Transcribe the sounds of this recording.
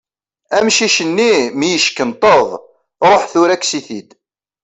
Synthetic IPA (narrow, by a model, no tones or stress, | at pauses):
æmʃiʃənːimijəʃkənt̪ˤəðˤ | ɾˤoħθʊɾækːsiθid̪